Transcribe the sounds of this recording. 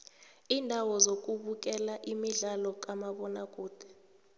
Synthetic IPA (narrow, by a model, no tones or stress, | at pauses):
iːndʱawɔzok̬ʼuɓuk̬ʼɛlaʔimiɮalɔk̬ʼamaɓɔnak̬ʼuːd̥ʱɛ̥